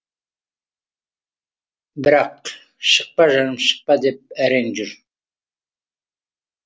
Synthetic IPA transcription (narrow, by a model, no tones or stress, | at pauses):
bɪɾɑq | ʃəq̚pɑʒɑnɨmʃə̥q̚pɑd̪ep̚æɾend͡ʒyɾ